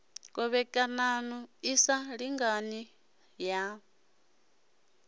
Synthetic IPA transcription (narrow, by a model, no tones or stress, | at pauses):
kʼɔβɛkʼananuisaɺiŋɡani | ja